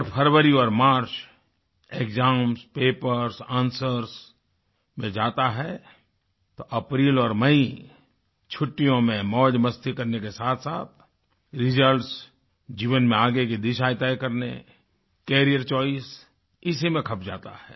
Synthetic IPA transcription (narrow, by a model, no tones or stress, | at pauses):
ɾpʰəɾwəɾiɔːɾmaːɾt͡ʃ | eːkzaːmspeːpəɾsãːnsəɾs | mẽd͡ʒaːt̪aɦɛ | t̪oʔɐpɾiːlɔːɾmɐi | t͡ʃʰʊʈːijõmẽmɔːd͡ʒməst̪ʰikɐɾnekesaːt̪ʰsaːt̪̚ʰ | ɾɪd͡ʒəlʈs | d͡ʒiːʋənmẽaːɡekid̪ɪʃaːjt̪aekɐɾnḛ | kɛːɾijəɾt͡ʃɔːis | ɪsimẽkʰɐpd͡ʒa̰ːt̪a̰ɦɛ̰ː